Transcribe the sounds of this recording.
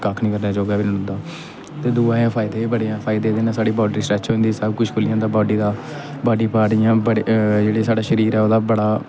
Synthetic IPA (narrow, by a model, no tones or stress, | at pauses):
kakʰnĩːkəɾd̪aːd͡ʒoːɡaːbinənʊ̃nd̪aː | t̪eːd̪uːãːjãːpʰaːɪd̪eːbəɽejãːpʰaːɪd̪eːd̪eːnãːsaːɽiːbaːɖɾiːsɾɛːt͡ʃʰoːnd̪iːsəbkʊt͡ʃʰkʰʊljãːd̪aːbaːɖiːd̪aː | baːɖiːpaːɾɪjãːbəɽd͡ʒeːɽeːsaːɖaːʃəɾiːɾɛːoːd̪aːbəɽaː